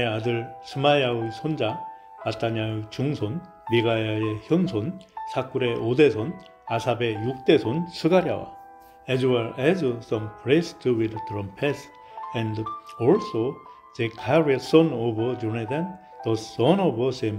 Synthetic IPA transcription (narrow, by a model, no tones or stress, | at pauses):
eadɯɭsʰɯmajausʰond͡ʑa | at͈aɲaut͡ɕuŋsʰon | miɡajaeçjʌnsʰonsʰak͈uɾe̞ʔode̞sʰon | asʰabe̞juk̚t͈e̞sʰonsʰɯɡaɾja̰wa̰ | ɛzwaɾʔɛzsʌ̃mpʰɾestʰuwid̪tɾʌ̃mpʰes | ɛ̃ndɔɭso | zekʰaɹesʌnobʌd͡ʑuned̪an | d̥̪ʌssʌnobʌsem